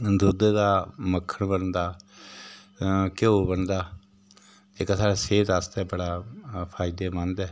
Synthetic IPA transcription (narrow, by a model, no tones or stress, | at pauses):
d̪ʊd̪d̪aːməkʰːəɳbənd̪aː | kɪoːbənd̪aː | ɪksaːɽaːseːt̪aːst̪ɛːbəɽaːpʰaːɪd̪eːmənd̪ɛː